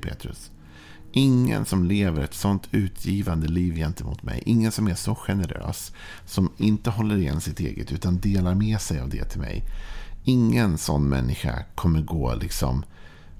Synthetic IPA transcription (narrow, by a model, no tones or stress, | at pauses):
pʰḛːt̪ɾɵ̰s | ʔɪŋːə̰nsɔmleːvəɾɛt̪sɔnt̪ʰʉ̟ːt̪ʰjiːvand̪əliːvjɛnt̪əmṵːt̪mɛ̰jʔɪŋːənsɔmæʂɔɧɛnəɾø̰ːsː | ɔmɪnt̪əɦɔlːəɾɪjɛ̰nsɪt̪ḛːɡət̪ʉ̟ːt̪and̪eːlaɾmɛsɛjavd̪ɛ̰t̪ʰɪlmɛ̰jɪŋːənsɔnːmɛ̰nːɪɧa̰kʰɔmːəɾɡoːlʔɪksɔ̰m